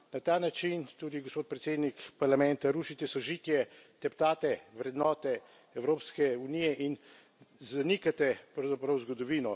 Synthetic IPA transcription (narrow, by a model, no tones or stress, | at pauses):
nat̪aːnat͡ʃint̪uːd̪iɡospoːt̪̚pɾɛt̪seːd̪nikpaɾlamɛnt̪aɾuːʃit̪ɛsɔʒit̪jɛt̪ɛpt̪aːt̪ɛʋɾɛd̪nɔːt̪ɛ | ɛwɾoːpskɛunijɛʔin | zanikat̪ɛpɾɐwzapɾɐwzɡɔd̪ɔʋiːnɔ